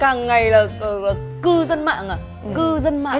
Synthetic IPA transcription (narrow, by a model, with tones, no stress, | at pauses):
kaː˨˩ŋːa˨˩jlaː˨˩ə˨˩laː˨˩ | kɨ˧zə˧nma̰ː˧˨ŋaː˨˩ | kɨ˧zə˧nma̰˧˨˧